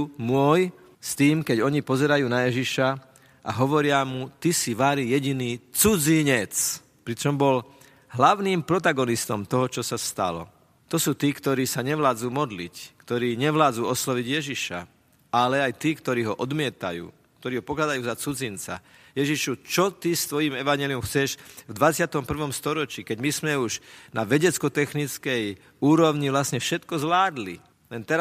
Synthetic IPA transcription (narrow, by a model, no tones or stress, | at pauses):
mʊɔj | st̪iːmkɛɟɔɲipɔzɛɾajuːnajɛʒiʃa | ʔa̰ɦɔʋɔɾɪamut̪isiʋaːɾijɛɟiniːt͡sud͡ziɲɛt͡s | pɾit͡ʃɔmbɔl | ɦlaʊniːmpɾɔt̪̬aɡɔnist̪ɔmt̪ɔɦɔt͡ʃɔsast̪a̰lɔ̰ | t̪ɔsuːt̪iːkt̪ɔɾiːsaɲɛʋlaːd͡zuːmɔd̪lickt̪ɔɾiːɲɛʋlaːd͡zuːɔslɔʋiɟjɛʒiʃa̰ | alɛajt̪iːkt̪ɔɾiːɦɔʔɔd̪mɪɛt̪a̰jṵː | k̚t̪ɔɾiːɦɔpɔklad̪ajuːzat͡sud͡zint͡sa̰jɛʒiʃut͡ʃɔt̪ist̪ʋɔjiːmɛʋaɲɪɛliumxt͡sɛʃvd̪ʋat͡sɪat̪ɔmpr̩ʋɔmst̪ɔɾɔt͡ʃiːkɛɟmizmɛuʒnaʋɛɟɛt͡skɔt̪ɛxnit͡skɛj | uːɾɔʊɲiʋlasɲɛfʃɛt̪kɔzʋlaːd̪li | lɛnt̪ɛɾa